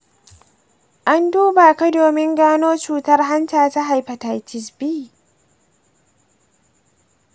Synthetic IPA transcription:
ʔa˦nduː˦ba˨ka˦doː˨mɪ˦ŋɡaː˦noː˦t͡ʃuː˨tɐ˦rɦa˦ntaː˨ta˦ɦa˨jɸɐ˨ta˨jtɪ˨sbiː˦

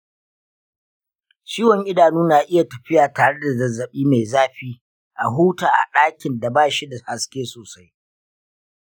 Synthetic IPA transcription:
t͡ʃiː˦wɔ˨ŋʔɪ˦daː˨nuː˦naː˨ʔɪ˦ja˨tɐ˨ɸɪ˦jaː˨taː˨ɽe˦da˨zɐ˨zɐ˨ɓiː˦me˨jzaː˦ɸiː˦ | ʔa˨ɦuː˦taː˨ʔa̰˨ɗaː˦kʲɪ˨nda˨baː˦ʃi˦da˨ha˨skʲeː˦soː˨sa˦j

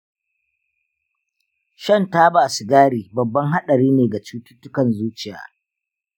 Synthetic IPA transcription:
ʃɐ˦˨ntaː˦baː˨su˨ɡaː˦ɽiː˨bɐ˨bːɐ˦ŋɦa˦ɗɐ˨ɽiː˦neː˨ɡa˨t͡ʃuː˦tʊ̥˦tːʊ˦kɐ˨nzuː˦t͡ʃɪ˨ja̰ː˦

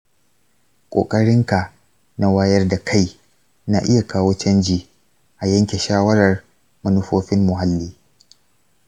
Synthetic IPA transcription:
kʷʼo̰ː˨kʼɐ˦ɽɪ˦ŋka˨ | na˦wa˦jɐ˦rda˨kʰa˦˨j | na˨ʔɪ˦ja˨kʰaː˦woː˦t͡ʃɐ˦nd͡ʒiː˨ | ʔa˨jɐ˦ŋkʲe˨ʃaː˦wɐ˦ɾɐ˨r | mʊ˦nʊ˦ɸoː˦ɸɪ˦mːʊ˨ɦa˦lːiː˦

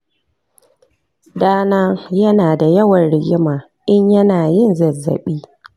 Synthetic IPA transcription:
daː˦naː˦jɐ˦naː˨da˨jɐ˦wɐ˨nɽɪ˨ɡʲɪ˦maː˨ | ʔɪ˦ɲjɐ˦naː˨jɪ˦˨nzɐ˨zːɐ̰˨ɓiː˦

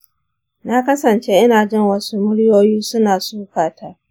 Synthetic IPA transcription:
na˦kɐ˦sɐ˨nt͡ʃe˦ʔɪ˦naː˨d͡ʒɪ˦ŋwɐ˦su˦mʊ˦ɽjoː˦jiː˦sʊ˦naː˨suː˦kaː˨tʰa˦ʔ

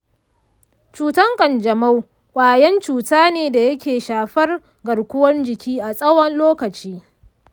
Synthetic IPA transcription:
t͡ʃuː˦tɐ˦ŋkʼɐ˨nd͡ʒɐ˨ma˦w | kʷʼaː˨jɛ˦nt͡ʃuː˨taː˦neː˨da˨jɐ˦kʲeː˨ʃaː˨ɸɐ˦r | ɡɐ˨ɽkʷʊ˦wɐ˦nd͡ʒɪ˨kʲiː˦ʔa˨sʼɐ˦wɐ˦nloː˦kɐ˨t͡ʃiː˦

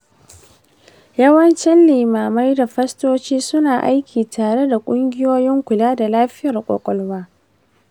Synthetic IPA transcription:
jɐ˦wɐ˦nt͡ʃɛ˦nlɪː˨maː˨ma˦jda˨ɸɐ˦stoː˦t͡ʃiː˦sʊ˦naː˨ʔa˦jkʲiː˨tʰaː˨ɽe˦da˨kʷʼʊ˦ŋɡʲɪ˦joː˦jɪ˦ŋkʷʊ˨laː˦da˨laː˦ɸɪ˦jɐ˨rkʷʼɔ̰˨kʷʼɔ˦lwaː˦

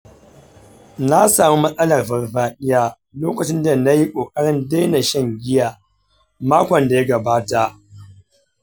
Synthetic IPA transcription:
na˦saː˨mu˦mɐ˦sʼɐ˦lɐ˨rɸɐ˨rɸaː˨ɗɪ˦jaː˦ | loː˦kɐ˨t͡ʃɪ˦nda˨na˦ji˦kʷʼoː˨kʼɐ˦ɽɪ˦nda˦jna˨ʃɛ˦˨ŋɡʲɪ˦jaː˨ | maː˦kʷɔ˨nda˨ja˦ɡɐ˨baː˦ta˨ʔ

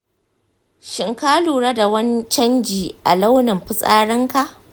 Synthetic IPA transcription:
ʃɪ˨ŋka˦luː˨ɽa˦da˨wɐ˦nt͡ʃɐ˦nd͡ʒiː˨ʔa̰˨la˦wnɪ˨mɸɪ˦sʼaː˦ɽɪ˦ŋka˦˨ʔ

